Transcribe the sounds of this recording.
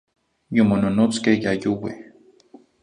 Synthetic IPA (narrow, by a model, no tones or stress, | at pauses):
jomononot͡skehjajuwḛh